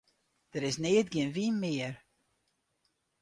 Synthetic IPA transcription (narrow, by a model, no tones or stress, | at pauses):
d̥əɾɪsneːətɡiənʋinmɪər